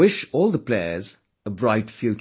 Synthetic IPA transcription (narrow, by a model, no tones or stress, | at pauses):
ɪʃɔːlˠðəpʰl̥eɪə̰˞z | əbɹaɪtfjʉ